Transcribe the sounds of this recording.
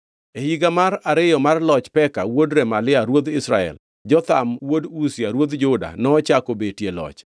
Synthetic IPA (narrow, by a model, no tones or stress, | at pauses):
ehiɡamaɾaɾɪjɔmarlɔt͡ʃpɛkawodɾɛmalɪaɾwod̪ɪsɾa̰ɛ̰l | d͡ʒɔt̪amwodusɪaɾwod̪d͡ʒʊda̰nɔːt͡ʃakobetjelɔ̰t͡ʃ